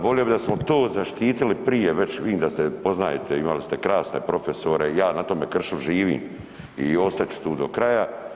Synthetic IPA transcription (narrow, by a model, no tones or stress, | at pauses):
ʋolijobid̪asmot̪oːzaʃt̪iːt̪ilipɾijeʋe̞t͡ɕʋid̪iːmd̪ast̪epo̞znajet̪ʰeimalist̪e̞kɾaːsne̞̰pɾo̞fe̞soɾejaːnat̪o̞ːme̞kr̩ʃuʒiːʋḭːm | io̞st̪at͡ɕu̥t̪uːd̪o̞kɾaja